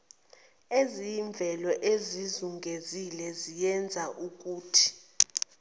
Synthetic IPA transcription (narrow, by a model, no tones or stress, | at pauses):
eziɱb̪vʱɛlɔʔezizuŋɡʱezilɛzijɛnd͡zʱaʔuk̬ʼuːtʰi̥